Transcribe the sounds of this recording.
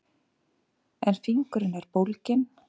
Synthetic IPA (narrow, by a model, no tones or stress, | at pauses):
ɛnfiŋkɾɪnɛɾ̥powlcɪn